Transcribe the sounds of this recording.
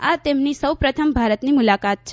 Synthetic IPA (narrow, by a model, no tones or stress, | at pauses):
at̪emnisəwpɾət̪ʰəmbʱaɾət̪nimulakat̪̚t͡ʃʰ